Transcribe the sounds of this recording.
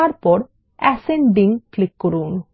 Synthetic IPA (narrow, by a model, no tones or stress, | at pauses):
aɾpɔɾ | ɛseɳɖiŋklikːoɾun